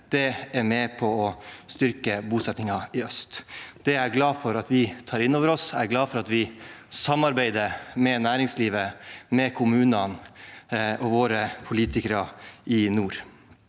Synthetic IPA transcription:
d̪̥ɛæɾmɛpʰɔɔst̪ʏɾkəbuːsɛt̪nɪŋɑɪœst̪d̪̥ɛæɾɡlɑːfɔɾɑt̪ʋɪt̪ʰɑːɾɪnːoːʋəɾɔsæɾɡlɑːfɔɾɑt̪ʋɪsɑmːɑɾbæɪd̪əmɛnæːɾɪŋsliːʋəmɛkʰʊmʉːnɑn | ʔɔʋoːɾəpʰʊliːt̪ʰɪkəɾɑɪnuːɾ

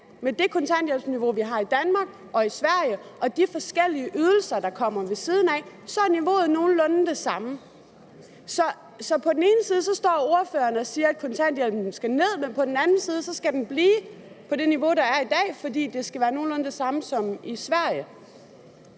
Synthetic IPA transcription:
med̥e̝kʰɔ̽nt͡sʰæn̰d̥jelniʋo̝ʋiɦɑ̈id̥ænmɑ̈ɡ̥ | ʔɒ̽isʋæɐ̰jəʔɒ̽d̥ifɒ̽sɡ̥el̰iəʔyð̞ˠl̩sɐd̥ɑ̈kʰɒ̽m̰ɐʋe̝siːð̞ˠn̩æ | sɒ̽æɐniʋo̝̰ːð̩ˠno̝ːn̩lɔ̽n̩d̥e̝sɑ̈mə | sɒ̽ | sɒ̽pʰɒ̽d̥ene̝ːnəsiːð̞ˠsɒ̽sd̥ɒ̰ːo̝ɐfø̰ːɐnəɒ̽siːɐæd̥̚kʰɒ̽nt͡sʰæn̰d̥jelb̥n̩n̩sɡ̥æne̝ð̞̰ˠmenpʰɒ̽d̥en̩ænn̩siːð̞ˠəsɒ̽sɡ̥æd̥enb̥liː | pʰɒ̽d̥e̝niʋo̝ɾ̥ɑ̈æɐid̥ɛ̰ːfɒ̽dḭːd̥e̝sɡ̥æʋæːɐno̝ːn̩lɔ̽nəd̥e̝sɑ̈məsɒ̽misʋæɐ̰jə

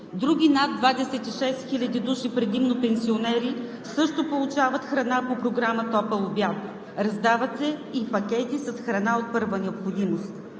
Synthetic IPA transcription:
d̪ɾuɡ̟ʲinad̪̚d̪vad̪ɛsɛt̪iʃɛst̪xilʲɐd̪id̪uʃipɾɛd̪imnopɛnsionɛɾi | sɤʃt̪opolˠut͡ʃavət̪xɾɐnapopɾoɡɾamət̪ɔpəlˠobjat̪ | ɾɐzd̪avɐt̪sɛipɐkʲɛt̪isɐsxɾɐnaot̪̚pɤɾvənɛopxod̪imost̪

